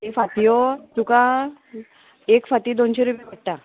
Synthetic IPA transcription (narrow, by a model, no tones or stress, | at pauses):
ifat̪ijot̪ukã | ekfat̪iːd̪onɕeɾupibəʈ̚ʈa